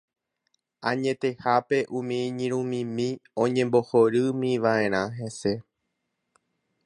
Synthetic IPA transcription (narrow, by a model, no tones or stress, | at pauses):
ãɲẽ̞t̪e̞hape̞ʔũmĩɲĩɾ̃ũmĩmĩõ̞ɲẽ̞mbo̞hoɾɨmĩʋaẽ̞ɾ̃ãɦe̞se̞